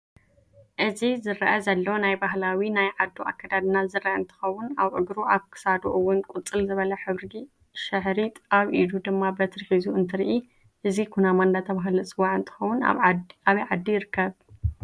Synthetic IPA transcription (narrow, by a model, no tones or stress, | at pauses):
ʔɨzizɨɾɐʔɐzɐlːɐwonajbaɦlawinajʕad̪ːuʔa̰kʰːad̪ad̪nazɨɾɐʔɐɨnt̪ʰɨ̥xɐwʊnaβʕɨɡɾuaβkʰɨ̥sad̪uʔɨwːʊnkʼut͡sʼːɨlzɨβɐlɐħɨβɾɨɡi | ʃɨħɾit̪ʰʼʔaβʔid̪ud̪ɨmːabɐt̪ʰɨɾħizuɨnt̪ʰɨɾiʔi | ʔɨzikʰunamand̪at̪ʰɐβaɦlɨt͡sʼɨwaʕɨnt̪ʰɨ̥xɐwːʊnaβɐjʕad̪ːijɪɾɨkːɐβ